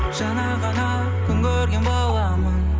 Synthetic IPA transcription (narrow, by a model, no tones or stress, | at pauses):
ʒ̥ɑnɑʁɑnɑ | kʲʰʏŋɡʲʰøɾɡʲenbolˠɑmən